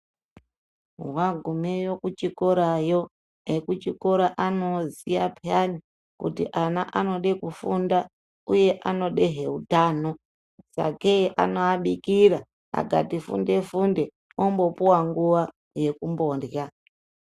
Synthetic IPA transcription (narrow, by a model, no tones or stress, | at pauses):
ɦwaɡʱumejo̞kut͡ʃiko̞ɾajo̞ | ɦekut͡ʃiko̞ɾaʔano̞ziapjani | kutḭʔanaʔano̞ɗekufunda | uje̞ʔano̞ɗe̞ɦe̞utaːno̞ | sa̰keʔa̰no̞aɓikiɾa | a̰ɡʱa̰tifṵnde̞funde̞ | ombo̞puwaŋɡuʋa | je̞kumbo̞ːndja